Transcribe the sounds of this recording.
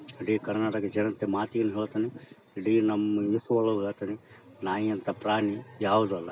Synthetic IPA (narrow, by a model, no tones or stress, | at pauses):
iɽikɐɾnaːʈɐked͡ʒɐnɐnt̪ːemaːt̪ijɐnɦiɭt̪ɐni | ɽinɐmːɐjisʋɐɭɐɦɐɭɐt̪ɐni | naːiɐnt̪ɐpɾaːnijaːwd̪ɐlːɐ̰